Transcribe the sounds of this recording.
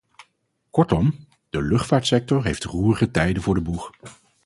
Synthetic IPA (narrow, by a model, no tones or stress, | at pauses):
kɔɹtɔm | d̥əlɵχtfaːɹtsɛk̚tɔɹɦejftruːɹəχətɛjdənvʊːɹdəbur